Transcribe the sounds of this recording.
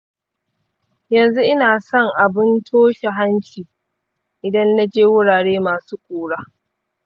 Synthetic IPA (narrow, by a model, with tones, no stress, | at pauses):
jɐ˨nzu˦ʔɪ˦naː˨sɔ˦ŋʔa˨bɪ˦ntʰoː˦ʃe˨ɦa˦nt͡ʃiː˨ | ʔɪ˨dɐ˦nːa˦d͡ʒeː˦wʊ˦ɽaː˨ɽeː˦maː˨suː˦kʷuː˨ɽaː˦